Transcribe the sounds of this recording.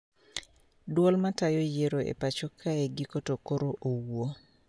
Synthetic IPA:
dwɔlmatajojeɾoḛpat͡ʃokʰaeɡikotokoɾoʔowwo

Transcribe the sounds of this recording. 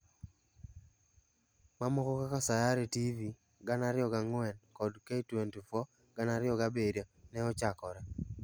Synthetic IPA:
mamɔkɔkakasajaɾetivi | ɡanaɾɪɔɡaŋwɛnkɔdkaitwentufɔ | ɡ̥anaɾɪɔɡabedanɛɔt͡ʃakɔɾa

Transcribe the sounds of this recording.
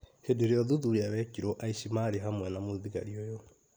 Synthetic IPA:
hedeɾeɔðuðuɾeaβɛkiɾɔʔaiʃimaːɾeɦamwɛnamoðiɣa̰ɾiɔjɔ

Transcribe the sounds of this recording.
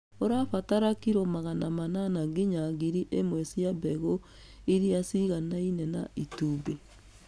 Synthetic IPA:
oɾafataɾakiɾɔmaɣanamananaɡiɲaɡiɾiʔemwɛsjabɛɣo | iɾiasiɣanainɛnaʔituːbe

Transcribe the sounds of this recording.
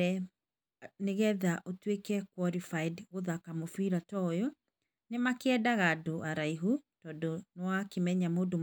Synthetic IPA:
ɛ | neɣɛðaʔotwekɛkwɔɾifaidɣoðakamofiɾatɔjɔ | nemakeɛdaɣadoʔaɾaiɦutɔːdonwakemɛɲamodom

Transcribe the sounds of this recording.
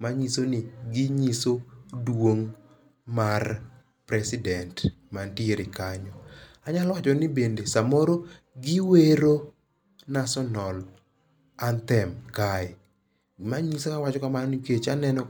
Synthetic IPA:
maɲisonɪɡɪɲisodwoŋ | mar | pɾɛsɪdɛnt | mantieɾɪkaɲɔ | aɲalwat͡ʃɔnɪbendesamoɾo | ɡɪweɾo | nasɔnɔl | ant̪ɛmkaɪ | maɲisokawat͡ʃɔkamanniket͡ʃanɛnɔ

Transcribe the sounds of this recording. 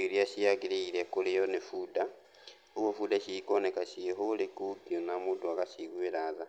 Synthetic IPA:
ilijaʃijaɡiliilekulijonifuda | ukofudaʃikonekaʃiɦulikuɡonamuduakasikwelaða

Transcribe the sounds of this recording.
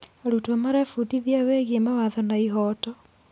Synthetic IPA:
aɾutwemaɾafutiðiaweːɣemawaðɔnaiɦɔːtɔ

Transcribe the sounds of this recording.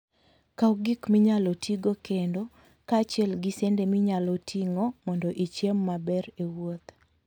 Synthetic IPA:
kauɡɪkmiɲalɔtʰiɡokendo | kat͡ʃɛlɡisɛndemiɲalɔtʰiŋɔmɔndɔʔit͡ʃemːabɛɾewot̪

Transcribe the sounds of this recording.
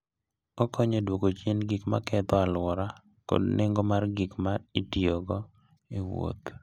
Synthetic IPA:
ɔkɔɲedwokot͡ʃinɡikma̰kɛt̪ɔalwɔɾa | ko̰dnɪŋɡɔmarɡikmaitioɡɔ | iwo̰t̪

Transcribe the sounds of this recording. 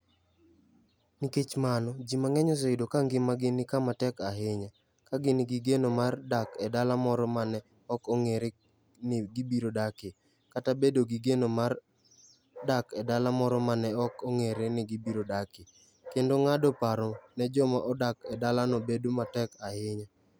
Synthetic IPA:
niket͡ʃmanɔd͡ʒimaŋɛɲɔsɔɪdokaŋɡɪmaɡɪnɪkamatɛkaɦeɲa | kaɡɪnɪɡɪɡenomardakɛdalamɔɾɔmanɛ | ɔkɔŋeɾe | nɪɡibiɾodakɪ | katabedoɡiɡenomar | dakɛdalamɔɾɔmanɛɔkoŋeɾenɪɡibiɾodakɪ | kendoŋadɔpaɾɔnɛd͡ʒɔmaʔɔdakɛdalanobedomatɛkahɪɲa

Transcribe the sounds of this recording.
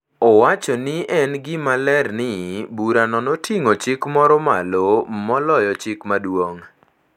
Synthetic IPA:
ɔwat͡ʃɔnɪʔɛnɡɪmalɛrnɪbuɾanɔnotʰiŋot͡ʃɪkmɔɾɔmalomɔlɔjɔt͡ʃɪkmadwoŋ

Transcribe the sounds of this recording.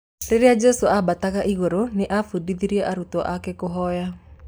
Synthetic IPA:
ɾɪɾɪjad͡ʒesuabat̪akaʔiɡoɾonɪʔafudid̪iɾjaʔaɾut̪ɔʔakekʊɦɔja

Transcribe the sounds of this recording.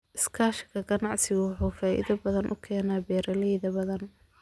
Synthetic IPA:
ʔɪskʰaːʃɪɡɐɡɐnɑʕsɪɣʊwħuːfaːʔḭðɐbɐðɐnʔʊ̰kʰɛːnaːbɛːɾɐlɛjðɐbɐðɐn

